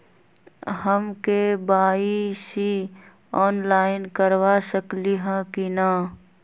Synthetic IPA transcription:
həmkebaːisi | ɔːnlaːɪnkəɾʋaʃəkliɦãkinaː

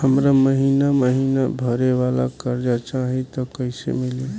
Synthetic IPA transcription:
həmɾaməɦiːnaməɦiːnabʱəɾeʋaːla̰kəɾd͡ʒat͡ʃaɦit̪okəɪsḛmɪli

